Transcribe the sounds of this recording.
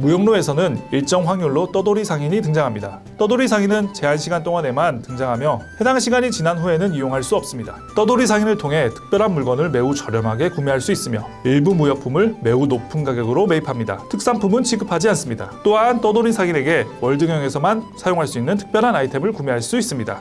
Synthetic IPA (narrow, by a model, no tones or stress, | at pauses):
mujʌŋnoe̞sʰʌnɯniɭt͡ɕ͈ʌŋɸwaŋjuɭːot͈ʌdoɾisʰaŋiɲitɯŋd͡ʑaŋɦamɲida | t͈ʌdoɾisʰaŋinɯnt͡ɕe̞anɕʰiɡant͈oŋane̞mantɯŋd͡ʑaŋɦamjʌhe̞daŋɕʰiɡaɲit͡ɕinanɸue̞nɯnijoŋɦaɭs͈uʌp̚s͈ɯmɲida̰ | t͈ʌdoɾisʰaŋinɯɭtʰoŋɦe̞tʰɯ̥k̚p͈jʌɾɦanmuɭɡwʌnɯɭme̞ut͡ɕʌɾjʌmɦaɡe̞kumeɦaɭs͈uis͈ɯmjʌiɭbumujʌk̚pʰumɯɭme̞unopʰunɡaɡjʌɡɯɾome̞ipʰamɲida̰tʰɯk̚s͈ampʰumɯnt͡ɕʰiɡɯpʰad͡ʑians͈ɯmɲida̰t͈oɦant͈ʌdoɾisʰaŋine̞ɡe̞wʌɭdɯŋjʌŋe̞sʰʌmansʰajoŋɦaɭs͈uinːɯntʰɯ̥k̚p͈jʌɾɦanaitʰe̞mɯɭkumeɦaɭs͈uis͈ɯmɲida̰